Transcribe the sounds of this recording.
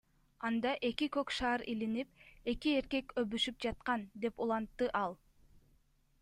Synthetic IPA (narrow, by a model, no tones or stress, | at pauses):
ɑnd̪ɑʔe̞kikøkʃɑːɾilinip̚e̞kie̞ɾke̞køβyʃyp̚d͡ʒɑt̪̚qɑnd̪e̞pulˠɑnt̪ːɯʔɑlˠ